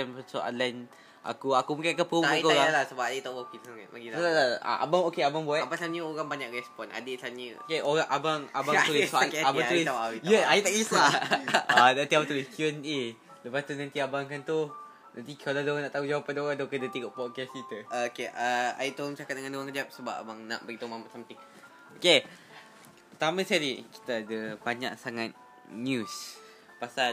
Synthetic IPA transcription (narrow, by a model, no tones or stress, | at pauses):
anso̰ʔa̰lan | ʔa̰kuakubuŋkɪnkapoaikoɾaalasəbap̚adet̪awakinaŋ̰maɡilaalaa̰ʔa̰baŋokeabaŋbuaabaŋsanɲəoɾaŋbaɲakɾɛspɔna̰desanəokeoɣaŋʔabaŋabauliakɛabaauiaawitjajit̪aʔkislaanãnt̪iabat̪uliskəne | ləpast̪unãnt̪iabaŋkant̪u | nant̪̬ikaladoanaʔt̪aud͡ʒawapandoɣaŋd̪okədət̪iɡoʔpɔt̪̚kɛskit̪əkeʔəa̰iʔt̪oŋt͡ʃakat̚dəŋandoɣãŋkədiap̚səba̰p̚a̰baŋna̰ʔbəɡit̪omamasamt̪ɪŋ | oke | pət̪amə̃saɾiki̥t̪aːdəbaɲa̰ksaŋat̪̚ | njus | pasal